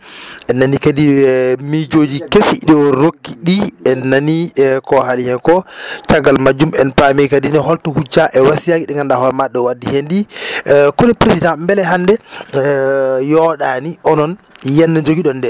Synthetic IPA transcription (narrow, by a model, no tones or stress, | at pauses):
ɛnːanikadimid͡ʒod͡ʒikefiɗɛwɔɾokːiɗiɛnːanikɔɦalihɛnkɔt͡ʃaɡalmad͡ʒumɛnpamikadinɛɦɔltɔhud͡ʒːaʔɛwasijaɡiɗɛŋɡandahɔɾmaɗːɛwadːihendi | kɔnɛpɾesidãmbɛlɛɦandɛ | jɔɗaniʔɔnɔnjɛnːɛd͡ʒoɡiɗɔndɛ